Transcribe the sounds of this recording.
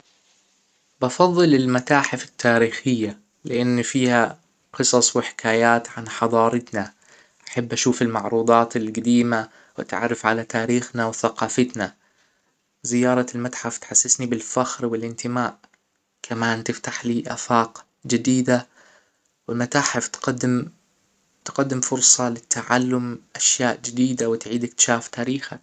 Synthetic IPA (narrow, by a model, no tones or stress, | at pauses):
bɑfɑðˤːɨlɪlmat̪aːħɪfɪ̥t̪ːaːɾiːxɪjːa | lɪʔanːfiːha | qɨsˤɑsˤwɪħɪ̥kʰaːjaːt̪ʕanħɑd̪ˤɑːɾɪt̪na | ʔaħabːʔaʃuːfɪlmɑʕɾuːd̪ˤɑːt̪ɪlɡad̪iːma | wɪ̰t̪ʕa̰rˤːɑfʕalat̪aːɾiːxnawθaqɑːfat̪na | zɪjːɑːɾˤɑlmat̪ħaft̪ħasːɪsnibɪlfaxɾwɪlʔɪnt̪ɪmaːʔ | kʰamaːnt̪ɪft̪aħliːʔa̰faːq | d͡ʒɪd̪iːd̪a | wɪlmat̪aːħɪft̪qad̪ːɪm | t̪qad̪ːɪmfʊɾsˤɑlɪt̪ʰːaʕalːʊmʔaʃjaːʔd͡ʒɪd̪iːd̪awɪt̪ʕiːd̪ɪk̚t̪ɪ̥ʃaːft̪aːɾiːxa̰k̚